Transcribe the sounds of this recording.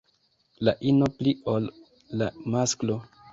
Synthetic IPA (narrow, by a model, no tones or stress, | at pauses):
laʔinopliolː | amasklo